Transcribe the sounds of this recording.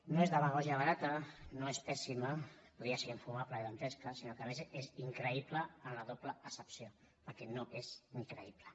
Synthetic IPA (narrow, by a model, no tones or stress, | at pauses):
noezðəβaɣɔʒaβɐɾat̪ənoespɛsimapuðɾiaseɣiɱfumaplaðant̪ɛskəsinokəamezeziŋkɾəipləːnlaðopləəsəpsio | pəɾkɛnoʔeziŋkɾəiplə